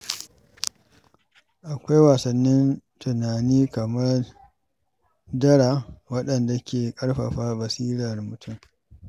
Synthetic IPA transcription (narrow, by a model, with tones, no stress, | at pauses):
ʔa˨kʷa˦jwaː˨sɐ˨nːɪ˦ntʰʊ˨naː˨niː˦kɐ˨mɐ˦r | dɐ˦ɽa˨wɐ˦ɗɐ˨nda˨kʲeː˨kʼɐ˦ɽɸɐ̰˨ɸaː˦bɐ˨siː˦ɾɐ˨rmʊ˨tʰʊ˦m